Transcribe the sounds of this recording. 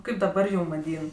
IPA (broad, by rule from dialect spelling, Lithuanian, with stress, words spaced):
ˈkɐɪp dɐˈbɐr ˈjuːm ʋɐˈdʲiːn